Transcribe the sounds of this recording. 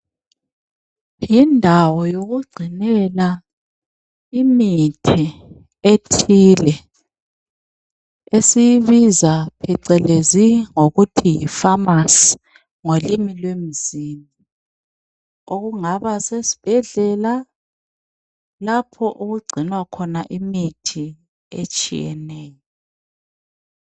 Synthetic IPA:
jindʱawɔjoɣuɡ͡ǀʱinɛla | imitʰɛ | etʰilɛ | esijiβizapʰɛǀɛleziŋoɣutʰijifamas | ŋolimilwem̩zini | oɣuŋaβasesi̥b̥ʱɛɮɛla | lapʰɔʔuɣuɡ͡ǀʱinwakʰɔnaʔimitʰi | ḛt͡ʃʼḭjɛ̰nɛːjɔ

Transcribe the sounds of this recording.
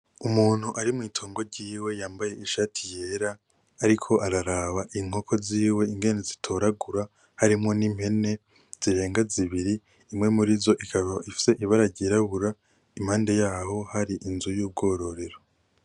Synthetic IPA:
umuːn̥huʔaɾimŋiːtʰoːŋɡo̞ɾɟiːwe̞jaːmbaje̞iʃatʰijeɾaː | ɾikʰo̞ʔaɾaɾaβaʔiŋ̥o̞kʰo̞ziːwe̞iŋɡe̞nezitʰo̞ɾaɡuɾa | haɾimŋo̞nim̥he̞ne̞ | z̥iɾe̞ːŋɡaziβiɾiː | mŋe̞muɾizo̞ʔikaβaʔifi̥se̞ʔiβaɾaɾɟiɾaβuɾa | im̥haːnde̞jaːɦo̞haɾiʔinzujuːb̚ɡo̞ːɾo̞ɾe̞ɾo̞

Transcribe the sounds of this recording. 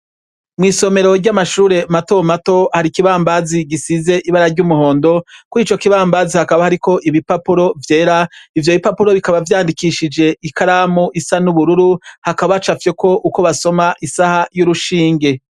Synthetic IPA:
mŋiːso̞me̞ɾo̞ɾɟamaʃuːɾe̞mato̞mato̞haɾikiβaːmbaziɡisize̞ʔiβaɾaɾɟumuho̞ːndo̞kuiːt͡ʃo̞kiβaːmbazihakaβahaɾiko̞ʔiβipapuɾo̞vje̞ːɾaivjo̞βipapuɾo̞βikaβavjaːndikiʃid͡ʒe̞ʔikʰaɾaːmoʔisanuβuɾuɾuhakaβat͡ʃafje̞ko̞ʔuko̞βaso̞maʔisahajuɾuʃiːŋɡe̞

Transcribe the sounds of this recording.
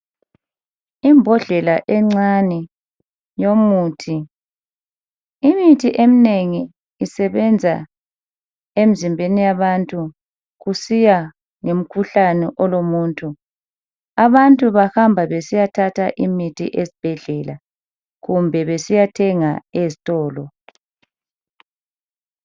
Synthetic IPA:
imbʱɔɮɛlaʔɛŋ͡ǀanɛ | jomuːtʰi | imitʰiʔemineŋiː | sɛβɛnd͡zʱa̰ | emizimbʱenijaβantʼu | ɣusija | ŋem̩kʰuɬanɛʔɔlomuːntʼu | aβantʼuβahambʱaβesijatʰatʰaʔimitʰḭʔezib̥ʱɛɮɛla̰ | ɣumbʱɛβesijatʰɛŋaezitʼɔːlɔ

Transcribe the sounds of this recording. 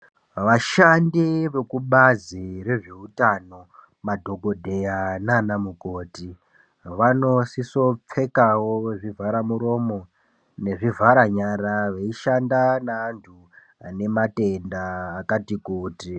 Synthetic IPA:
ʋaʃandiʋe̞kuɓazire̞ʐeutano̞ | madʱo̞ɡo̞dʱe̞jananamukoːti | ʋano̞siso̞p͡fe̞kawoʐivʱaɾamuɾo̞mo̞ | ne̞ʐivʱaɾaɲaɾaʋeiʃandanaːntʰu | ane̞mate̞ndaːkatikuːti

